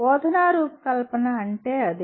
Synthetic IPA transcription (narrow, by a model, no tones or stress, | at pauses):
oːd̪ʱɐnaːɾuːpɐ̥kɐlpɐnɐɐɳʈeːɐd̪i